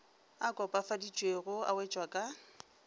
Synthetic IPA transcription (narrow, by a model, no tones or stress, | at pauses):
akʼɔpʼafadit͡ʃʼweɣʊa̰wɛt͡ʃʼwakʼa